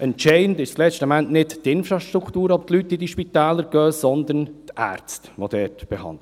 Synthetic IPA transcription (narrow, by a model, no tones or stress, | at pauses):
ʔənt͡ʃɛɪndɪʃt͡slɛstəmæntnɪttːɪnfɾɑʃtɾukʰtuːɾɔb̚t̪lyt̚d̥idiʃpit̪ɛːləɾɡ̥œːsɔnd̪əntʔæ̰ːɾt͡stʋod̥̪ɛːtb̥ɛhɑ̰ndl